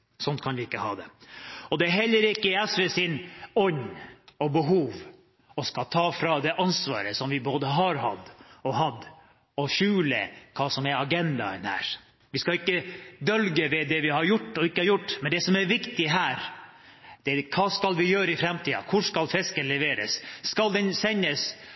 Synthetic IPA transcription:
sɔnt̪̚kʰɑnʋɪɪkːəhɑ̰ːd̪ɛ̰ɔd̪ɛæɾɦɛlːəɾɪkːəɛsʋɛsɪnɔɲːɔbəɦuːʋ | ɔskɑt̪ʰɑːfɾɑd̪ɛʔɑnsʋɑ̰ːɾəsɔmʋɪboːd̪əɦɑɾɦɑ̰d̪ːɔɦɑd̪ː | ɔɕʉːlə̰kʰɑːsɔmɛɾɑɡɛnd̪ɑ̰ə̰nhæ̰ːɾ | ʋɪskɑɪkːəd̪œlɡəʋɛd̪ɛʋɪhɑɾjʊʈːɔɪkːəhɑɾjʊʈːmɛnd̪ɛsɔmæɾʋɪkt̪ɪɦæːɾ | d̪̥ɛkʰɑːskɑlʋɪjøːɾəɪfɾɛmt̪ʰiːɑ̰kʰʊʂkɑlfɛskənlɛʋeːɾə̰sːkɑld̪ɛnsɛɲːəs

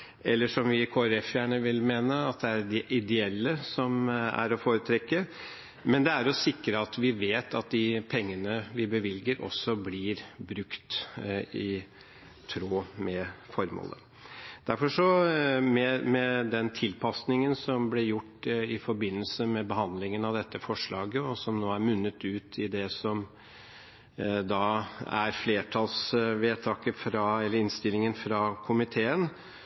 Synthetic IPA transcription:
ɛlːəʂɔmʋɪkʰoːæɾɛfjæːɳəʋɪlmeːnəɑt̪d̪ɛæɖɛʔɪd̪ɛɛlːəsɔmæ̰ɾɔfoːɾət̪ʰɾɛkːə | mɛnd̪ɛæɾɔsɪkːɾəɑt̪ʋɪʋeːt̪ʰɑt̪̚d̪ɪpʰɛŋːənəʋɪbəʋɪlɡəɾʔɔ̰sːɔblɪɾbɾʉkt̪ | ɪ | t̪ʰɾoːmɛfɔɾmo̰ːlə̰ | d̪̥æɾfɔʂɔmɛmɛd̪ɛnt̪ʰɪlpʰɑsnɪŋənsɔmblɛjʊʈːɪfɔɾbɪnːəlsəmɛbəɦɑnd̪lɪŋənɑʋd̪ɛt̪ːəfɔʂɭɑːɡəɔsɔmnoːæɾmʉnːət̪ʉːt̪ʰɪd̪ɛsɔm | d̪ɑːæ̰ɾfleːʈʰɑlsʋeːt̪ʰɑːkəfɾɑɛlːəɾɪnst̪ɪlːɪŋənfɾɑkʰʊmɪt̪ʰeːən

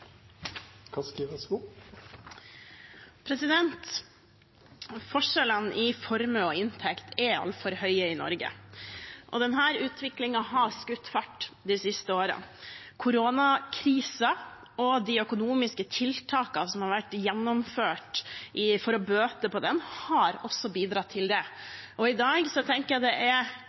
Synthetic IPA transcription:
kʰɑskiːʋɔsbu | pʰɾɛsɪd̪ɛnt̪ | fɔʂɛlənʔɪfɔɾməɔɪnt̪ʰɛkt̪ʰɛɑ̰lt̪fɔɾhœʏəɪnɔ̰ɾɡə̰ | ʔɔ̰d̪ɛnɦæːɾʉːt̪ʰʋɪklɪŋɑɦɑskʉt̪ːfɑʈːd̪ɪsɪst̪əoːɾə̰nkʰʊɾoːnɑkʰɾiːsɑ | ɔd̪ɪœkʊnuːmɪskət̪ʰɪlt̪ʰɑːkɑsɔmhɑɾʋæʈːjɛnːɔmføːʈʔɪfɔɾɔbøːt̪əpɔd̪ɛnhɑɾɔsːɔbiːd̪ɾɑt̪ʰːɪld̪ɛʔɔɪd̪ɑːɡsɔt̪ʰɛŋkəjæd̪ɛʔɛ

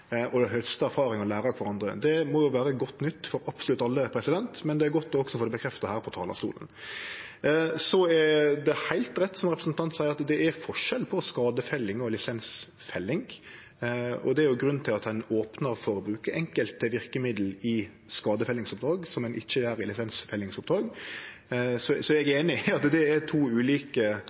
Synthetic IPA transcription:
ʔɔɦœlst̪əæɾfɑːɾɪŋɔlæːɾɑkʰʋɑɾɑnd̪ɾəd̪ɛmɔjʊʋæːɾəɡɔt̪ːnʏt̪ːfɔɾɑpsɔlʉt̪ːɑlːəpʰɾɛsɪd̪ɛnt̪mɛnd̪ɛæɾɡɔt̪ːɔɔksɔfoːd̪ɛbəkʰɾɛft̪ɑhæːɾpʰɔt̪ʰɑːlɑ̰st̪ṵːlə̰n | sɔɛd̪ɛhæɪlt̪ɾɛt̪ːsɔmʁɛpɾɛsnt̪ʰɑnt̪sæɪəɾɑt̪d̪ɛæɾfɔʂɛlpʰɔskɑːd̪əfɛlːɪŋɔlɪsɛns | fɛlːɪŋ | ɔ̰d̪ɛæɾjʊɡɾʉn̩ːt̪ʰɪlɑt̪ɛnoːpnəɾfɔɾəbɾʉːkəʔɛŋkəlt̪ʰːɪʋɪɾkəmɪd̪l̩ɪ | skɑːd̪əfɛlːɪŋsʊp̚d̪ɾɑːɡsɔmɛnʔɪçːəjæːɾɪlɪsɛnsfɛlːɪŋsʊp̚d̪ɾɑːɡ | sɔsɔɛɡeːnɪɪɑt̪d̪ɛæt̪ʰuːʉːliːkə

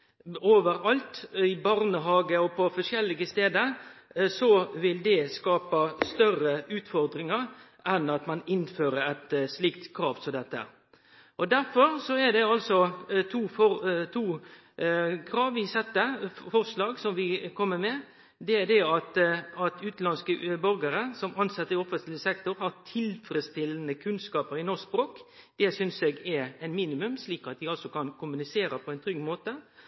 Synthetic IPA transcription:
oːʋəɾɑlt̪ɪbɑɾnəɦɑːɡəɔpʰɔfɔʂɛlːɪɡəst̪eːd̪əɾsɔʋɪld̪ɛskɑːpəst̪œrəʉːt̪fɔɾd̪ɾɪŋəɾ | ʔɛnɑt̪mɑnɪnføːɾəɾɛt̪slɪkt̪kʰɾɑːʋsɔd̪ɛt̪ːə̰ | ʔɔd̪æɾfɔɾsɔæd̪ɛɑlsɔt̪ʰuːɔt̪ʰuː | kʰɾɑːʋʋɪsɛt̪ːəfɔɾslɑːɡsɔmʋɪkʰɔmːəmɛ | d̪ɛd̪ɛɑt̪ɑt̪ʉːt̪lɑnskəbœɾɡəɾəsɔmɑnsɑt̪ːəɔfənt̪lɪsɛkt̪ʊɾhɑɾt̪ʰɪlfɾɛst̪ɪlənəkʰʉnskɑːpəɾɪnɔs̚bɾoːk | d̪̥ɛsʏnsɛɡɛɾɛɪnmiːnɪmʉmsliːkɑt̪̚d̪ɪɑlsɔkɑnkʰʊmʉnɪseːɾəpʰɔɛɪnt̪ʰɾʏɡmoːt̪ə

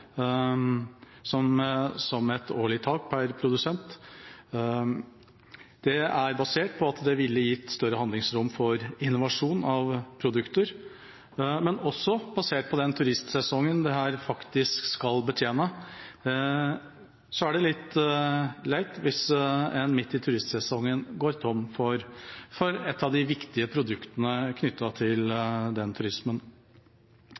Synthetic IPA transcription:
sɔmsɔmɛt̪oːɭɪt̪ʰɑːk̚pʰæɾpʰɾʊd̪ʉsɛnt̪ | d̪̥ɛæɾbɑseːʈ̚pʰɔɑt̪d̪ɛʋɪlːəjɪt̪ːst̪œɾəhɑnd̪lɪŋsɾʊmfɔɾɪnːʊʋɑʂuːnɑʋpʰɾʊd̪ʉkt̪əɾ | mɛnɔsːɔb̥ɑseːʈ̚pʰɔd̪ɛnt̪ʰʉɾɪst̪sɛsɔŋːənd̪ɛɦæːɾfɑkt̪ɪskskɑlbət̪ʰjeːnə | sɔæɖɛlɪt̪ː | læɪt̪ʋɪsɛnmɪt̪ːɪt̪ʰʉɾɪst̪sɛsɔŋːənɡoːɾt̪ʰɔmfɔɾfɔɾɛt̪ːɑʋd̪ɪʋɪkt̪ɪəpʰɾʊd̪ʉkt̪ənəkʰnʏt̪ːɑt̪ʰɪld̪ɛnt̪ʰʉɾɪsmən

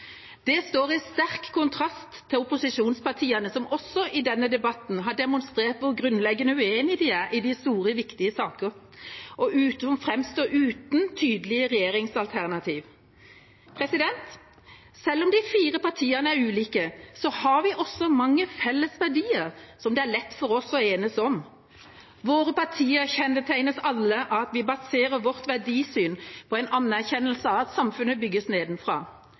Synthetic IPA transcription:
d̪̥ɛst̪oːɾɪst̪æɾkkʰːʊnt̪ʰɾɑst̪ʰːɪʊpʊsɪʂuːnspɑʈʰiːənəsɔmɔsːɔʔɪd̪ɛnːəd̪ɛbɑt̪n̩ɦɑɖɛmʊnst̪ɾeːʁt̪ʋʊɾɡɾʉnlɛɡːənəʉeːnɪd̪ɪæɾɪd̪ɪst̪uːɾəʋɪkt̪ɪəsɑːkəɾ | ʔɔʔʉːt̪ɔmfɾɛmst̪oːʉːt̪n̩t̪ʰyːd̪lɪəʁɛjeːɾɪŋsɑlt̪ʰæʁnɑt̪ʰiːʋ | pʰɾɛsɪd̪ɛnt̪ | sɛlːɔmd̪ɪfiːɾəpɑʁt̪ʰiːənəæɾʉːliːkəsɔhɑɾʋɪʔɔsɔmɑŋːəfɛlːəsʋæɖiːəɾsɔmd̪ɛæɾlɛt̪ːfɔɾɔsɔeːnəsɔm | ʋoːɾəpɑt̪ʰiːəçɛnːət̪ʰæɪnəsɑlːəʔɑt̪ʋɪbɑseːɾəɾʋɔɾt̪ʋæɖiːsyːnpʰɔɛɪnʔɑnːæɾçɛnːəlsəɑʋɑt̪sɑmfʉnəbʏɡːəsneːd̪n̩fɾɑ̰ː

